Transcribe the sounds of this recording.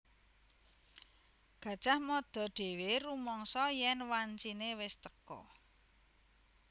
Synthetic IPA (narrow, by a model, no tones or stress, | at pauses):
ɡ̥ä̤d̥ʒ̥a̤hmɔd̪̥ɔ̤ɖ̪̥e̤werumɔŋsɔjɛnwaɲt͡ʃinewɪst̪əkɔ̰